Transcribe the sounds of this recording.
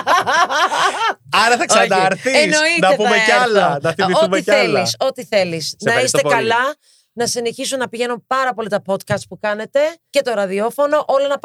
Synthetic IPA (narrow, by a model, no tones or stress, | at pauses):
ɐɾɐθɐkɐɾθienoit̪nɐepuɐmeɐlɐnɐθiioumiθeliso̞t̪iθe̞lisnɐist̪ekɐlɐ | nɐsine̞çisunnɐpiʝe̞numpɐɾɐpo̞lit̪ɐpo̞t̪kɐst̪̚pukɐne̞t̪e̞ce̞t̪o̞ɾɐðio̞fo̞no̞ʔolonɐp